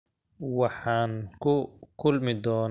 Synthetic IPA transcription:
wɑħɑːŋkʰʊkʰʊlmɪd̪ɔːn

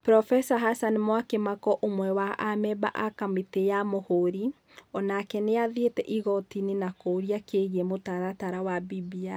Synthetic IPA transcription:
pɾɔfɛsaɦasanmwakemakɔʔomwɛwaʔamɛba̰ʔakametejamohoɾi | ɔnakɛneaðetɛʔiɣɔtininakoɾiakeɣɛmotaɾataɾawabibia

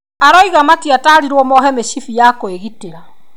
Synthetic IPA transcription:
aɾɔiɣamatiataɾiɾwɔmɔɦɛmeʃifijakoeɣiteɾa

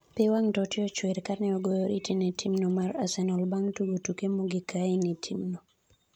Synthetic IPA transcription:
pɪwaŋtɔtɪɔt͡ʃweɾkarnɛɔɡojoɾitinetʰimnomaɾa̰sɛnɔlbaŋtuɡotukemoɡɪkaɪnitʰḭmno

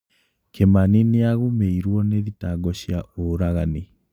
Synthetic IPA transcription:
kʰemanineaɣumeiɾwɔneðitaɡɔɕjaʔoɾaɣani

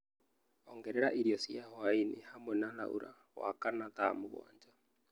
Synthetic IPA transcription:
ɔŋɡɛɾɛɾaʔiɾijɔsjawainihamwɛnala̰ṵɾa̰ | wa̰kanat̪amoɣɔ̰ːɲd͡ʒa

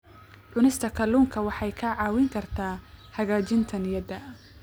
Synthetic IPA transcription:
ʕʊnɪst̪ʰɐkʰɐluːŋkʰɐwɑħɑjkʰɐʕɑːwɪŋkʰɐrt̪ʰaːhɐɣaːt͡ʃɪnt̪ʰɐnɪjɐd̪ɐ

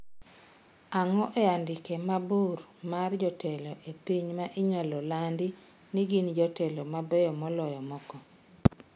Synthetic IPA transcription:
aŋɔʔɛjandɪkɛmaburmard͡ʒɔtɛlɔʔepiɲmaʔɪɲalɔlandiniɡind͡ʒɔtɛlɔmabɛjɔmɔlɔjɔmɔkɔ

